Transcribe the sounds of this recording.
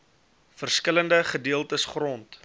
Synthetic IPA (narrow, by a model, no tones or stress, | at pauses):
fərskələndəχədiəlˠtəsχrɔnt